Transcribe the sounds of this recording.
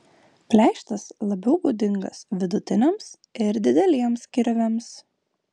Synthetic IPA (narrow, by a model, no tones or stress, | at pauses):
pʲlʲæˑɪʃt̪ɐslˠɐbʲɛʊbud̪ʲɪŋɡɐ̰sʋʲɪd̪ʊt̪ʲɪnʲɛms | ɪɾd̪ʲɪd̪ʲɛlʲiɛmskʲɪɾʲʋʲɛms